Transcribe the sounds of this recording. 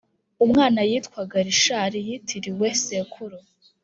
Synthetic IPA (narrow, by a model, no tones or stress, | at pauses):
umŋaːnajiːtkwaɡaɾiʃaːɾijitʰiɾiwesekʰuɾo